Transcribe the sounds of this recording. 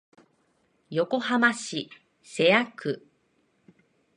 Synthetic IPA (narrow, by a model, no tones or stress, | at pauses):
jo̞ko̞hamaɕi | se̞akɯ̟